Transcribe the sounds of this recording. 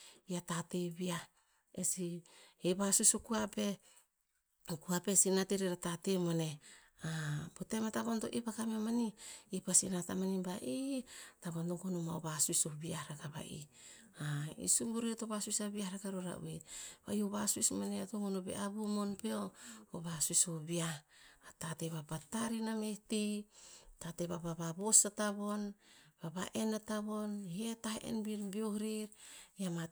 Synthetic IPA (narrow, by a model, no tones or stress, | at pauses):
iatate̞bia | esieβasuisokuape̞ | kuapesinateɾeɾatatemane̞ | abotemataβonto̞ʔipakamemaniipasinatamanibaʔitaβantoɡonomaoβasuisobiahɾaɡaba̰ʔḭ | aḭsubuɾietoβasuisabiahɾaɡaɾoɾa̰ṵeba̰joβasuismaneatomonobḛʔaβumonpeooβasuisobiaatateβapataɾinamehti | tateβabaβabosataβo̞nbabaʔenataβonhietaʔḛnbiɾbiohɾiɾjama